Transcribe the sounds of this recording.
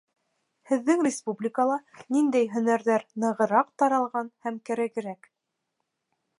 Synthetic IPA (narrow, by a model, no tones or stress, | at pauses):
hɘ̆ðːɘŋrʲɪspublʲɪkəlˠɑnind̪æjɦɵ̆næɾðæɾnɤ̆ʁɤ̆ɾɑqt̪ɑɾɑlˠʁɑnhæmkæɾæɡɘ̆ɾæk